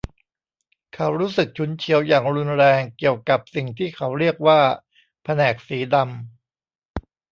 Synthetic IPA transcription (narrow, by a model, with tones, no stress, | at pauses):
kʰa˦˥wɾuː˦˥sɯ˨˩k̚t͡ɕʰu˦˥nt͡ɕʰi˦əwjaː˨˩ŋɾu˧nɾɛː˧ŋki˨˩əwka˨˩p̚si˨˩ŋt̪ʰiː˥˩kʰa˩˥wɾi˥˩ək̚waː˥˩ | pʰa˧nɛː˨˩k̚siː˩˦da˧m